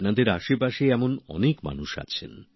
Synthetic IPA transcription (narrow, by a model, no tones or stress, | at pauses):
pnad̪eɾaʃepaʃeɛmonɔ̰nekma̰nuʃa̰t͡ɕʰḛn